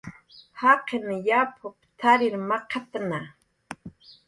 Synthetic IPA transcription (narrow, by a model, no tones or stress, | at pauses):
haqenjapʰʊpt̪ʰaɾɪɾmaqʰat̪na